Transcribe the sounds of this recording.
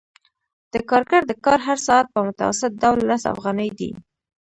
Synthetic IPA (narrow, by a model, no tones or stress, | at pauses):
d̪̥əkɑɾkaɾd̪əkɑɾɦaɾsɑat̪̚pəmʊt̪a̰wa̰sɪt̪̚d̪awlːasa̰fɣɑnəjd̪ḭ